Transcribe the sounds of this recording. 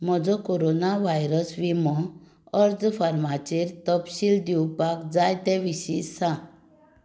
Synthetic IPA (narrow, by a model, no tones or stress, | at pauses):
m̤ɔd͡zɔkoɾonaʋajɾəsʋimɔ | əɾd͡zfaɾmat͡ɕiɾt̪əpɕild̪iwpakd͡zajt̪ɛ̃ʋiɕisã